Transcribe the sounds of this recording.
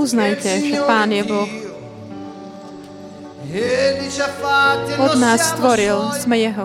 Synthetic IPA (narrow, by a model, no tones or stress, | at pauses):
uznajcɛʒɛpaːnjɛblɔx | ɔd̪naːsːt̪ʋɔɾilsmɛjɛɦɔ